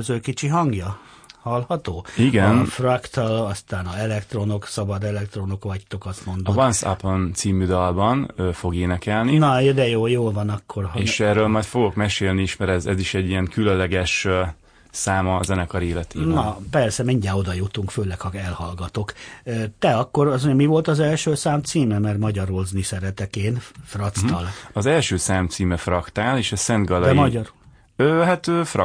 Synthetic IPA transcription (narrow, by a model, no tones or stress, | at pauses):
øzøkit͡ʃiɦɒŋɡjɒ | hɒlhɒt̪oːiɡɛnfrɒkt̪ɒlɒst̪aːnɒɛlɛkt̪ro̞no̞ksɒbɒd̪ɛlɛk̚t̪ro̞no̞kʋɒct̪o̞kɒst̪mond̪ovɒnssa̰pont̪siːmyd̪ɒlbɒnøfo̞ɡeːnɛkɛlninɒjd̪ɛjoːjoːlvɒnɒkːorɦeːʃɛrøːlmɒjt̪fo̞ɡo̞kmɛʃeːlniiʃmɛɾɛzɛziʃɛɟːiɛŋkylønlɛɡɛʃ | saːmɒzɛnɛkɒɾeːlɛt̪eːnɒpɛrsɛmiɲɟɛlo̞d̪ɒjut̪uŋkføːlɛkhɒɛlhɒlɡɒt̪o̞køːt̪ɛɒkːo̞ɾɒs̬oɲmivo̞lt̪ɒzɛlʃøːsaːmt̪siːmɛmɛrmɒɟɒɾolznisɛɾɛt̪ɛkeːnfrɒt̪st̪ɒlɒzɛlʃøːsaːmt̪siːmɛfrɒkt̪aːleːʃɒsɛnd̪ɡɒld̪ɛmɒɒɾo | øːɦat̪øːfrɒ